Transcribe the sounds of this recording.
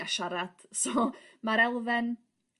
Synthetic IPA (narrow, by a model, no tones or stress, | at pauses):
aʃaɾad̥sɔmaɾɛlˠvɛn